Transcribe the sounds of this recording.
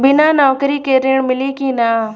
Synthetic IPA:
bɪnaːnɔːkɾiːkeːɾiːɳ̃mɪliːkĩːnaː

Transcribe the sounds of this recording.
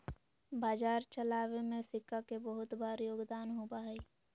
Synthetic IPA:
baːd͡ʒaːɾt͡ʃəlaːwemẽsɪkːakebəɦʊt̪baːɾjoːɡd̪aːnɦubaɦɛi

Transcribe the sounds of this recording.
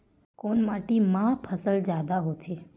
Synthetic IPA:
konmaʈimãpʰəsəld͡ʒjad̪aɦot͡ʃʰe

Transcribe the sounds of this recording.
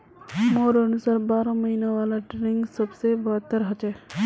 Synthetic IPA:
moɾənusaːɾbaːɾoməɦinaʋalaʈɾiŋɡsəbsebəɦət̪ːəɾɦət͡ʃɛ

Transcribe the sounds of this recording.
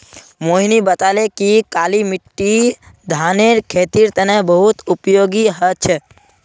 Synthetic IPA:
moɦnibət̪alekikalimiʈːi | d̪ʱaneɾkʰet̪iɾt̪ənɛbəɦut̪upjoɡiɦət͡ʃʰe

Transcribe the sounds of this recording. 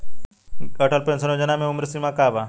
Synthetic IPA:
ɐʈəlpẽnsənoːd͡ʒɐnamẽʊmɾsimakaːba

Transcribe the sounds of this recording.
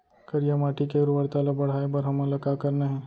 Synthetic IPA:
kəɾjamaʈikeɾuʋəɽt̪alabəɽ̤ajbəɾɦəmalakakəɾnaɦi

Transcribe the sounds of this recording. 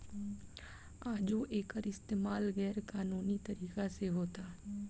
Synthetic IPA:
aːd͡ʒoːʔeːkəɾɪst̪eːmaːlɡɛːɾkaːnuːnit̪əɾiːkaseɦoːt̪aː

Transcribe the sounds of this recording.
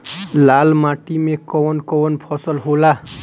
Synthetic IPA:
lalmaʈimekɔwʌnkɔwʌnpʰʌsʌlɦola

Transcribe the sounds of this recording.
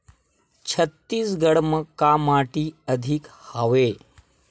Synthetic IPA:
t͡ɕʰət̪ːiːsɡəɽməkaːmaːʈiːəd̪ʱikhaʋeː

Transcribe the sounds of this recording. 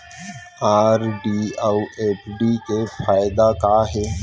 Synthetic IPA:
aːɾɖiːawʔeːpʰɖiːkefʰaːɪd̪akaːɦɛː

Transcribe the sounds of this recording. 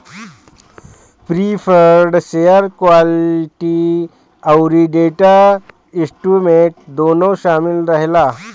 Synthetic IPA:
pɾifəɾɖsejəɾkʋalʈi | awɾiɖeʈa | isʈumeʈ̚d̪onɔɕamilɾaɦla

